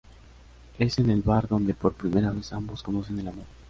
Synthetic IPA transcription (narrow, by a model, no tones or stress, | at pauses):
e̞se̞ne̞lβaɾðo̞nd̪e̞po̞ɾpɾime̞ɾaβe̞sambo̞sko̞no̞s̬e̞ne̞lamo̞ɾ